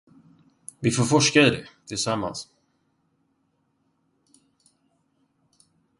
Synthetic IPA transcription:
vɪfoːɾfɔʂkaɪd̪ɛ̰t̪ʰɪlsamːa̰ns

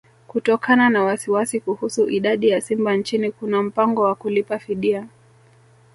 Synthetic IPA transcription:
kutɔkananawasiwasikuhusuʔiɗaɗijasimbant͡ʃinikunam̩paŋɡɔwakulipafiɗia

